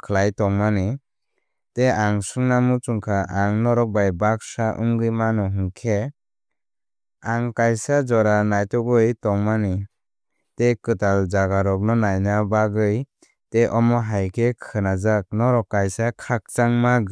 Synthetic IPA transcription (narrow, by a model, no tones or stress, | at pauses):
kʰlajtɔŋmani | teaŋsɯŋnamut͡ʃuŋkʰaʔaŋnɔɾɔk̚bajbak̚saʔṵŋɡɯjmanɔɦɯŋkʰe | aŋkajsad͡ʒɔɾanajtɔɡɯjtɔŋmani | tekɯtald͡ʒaɡaɾɔk̚nɔnajnabaɡɯj | teʔɔmɔɦajkʰekʰɯnazak̚nɔɾɔkːajsakʰak̚t͡ʃaŋmaɡ